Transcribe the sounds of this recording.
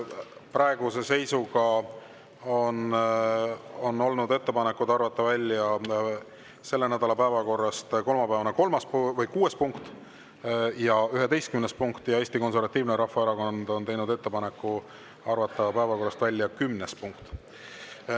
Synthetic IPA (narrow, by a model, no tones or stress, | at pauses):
prɑeɡ̥use̞se̞jsuɡɑ | on | o̞nːo̞lnud̪e̞t̪ːe̞pɑnekːˑud̪̥ɑrvɑt̪ːˑɑvælʲːjɑ | se̞lːe̞næd̪̥ɑlɑpæevɑko̞rːɑst̪ko̞lmɑpæevɑneko̞lmɑspvɤjkuːe̞spuŋkt̪ | jɑyɦe̞t̪e̞jst̪kymnespuŋkt̪ˑjɑeːsʲt̪iko̞nseɾvɑt̪ːˑiːvneɾɑhfːɑeɾɑko̞nd̪̥o̞nt̪e̞jnud̪e̞t̪ːe̞pɑnekːˑu | ɑrvɑt̪ːˑɑpæevɑko̞rːɑst̪vælʲːjɑkymnespuŋkt̪ˑ